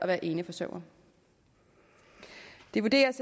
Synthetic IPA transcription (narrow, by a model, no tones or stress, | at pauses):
ʔɒ̽ʋæːɐʔe̝ːnəfɒ̽sœ̰ʊ̰ɐ | d̥e̝ʋud̥e̝̰ːɐs